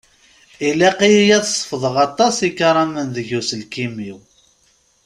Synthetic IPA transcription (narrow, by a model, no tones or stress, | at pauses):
ilæqijijæθsˤːə̥fðˤəʁɑt̪ˤːɑsikɾˤɑmənðəʝusəlkimiw